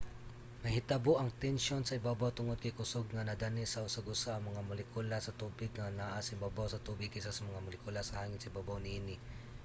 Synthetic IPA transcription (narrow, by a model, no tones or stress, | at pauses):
nɐhɪt̪aboʔɐŋt̪ɛnʃonsɐɪbaːbawt̪ʊŋod̪̚kɐjkʊsoɡ̚ŋɐnɐd̪anisɐʊsɐɡʊsaɐŋmɐŋamʊlɪkulasɐt̪uːbɪɡ̚ŋɐnaʔasɪbaːbawsɐt̪uːbɪɡ̚kɪsasɐmɐŋamʊlɪkulasɐhaːŋɪnsɐʔɪbaːbawnɪiːnɪ